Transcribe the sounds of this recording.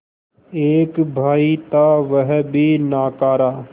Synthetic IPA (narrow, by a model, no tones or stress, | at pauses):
eːkbʱaːit̪aʋəɦbʱinaːkaːɾaː